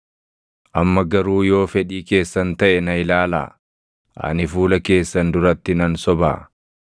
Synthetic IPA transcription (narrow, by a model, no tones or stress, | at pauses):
ʔɐmːɐɡɐɾuːjo̞ːfɛᶑiːke̞ːsːɐnt̪ɐʔɛnɐɪlaːla̰ː | ʔɐ̰nɪfuːlɐke̞ːsːɐnd̪ʊɾɐt̪ːɪnɐnsɔba̰ː